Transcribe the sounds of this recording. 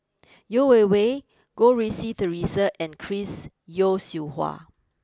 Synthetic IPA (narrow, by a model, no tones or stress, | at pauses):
jowewe | ɡ̥oɹisitəɹisəʔɛ̃nkʰɹis | josihwa̰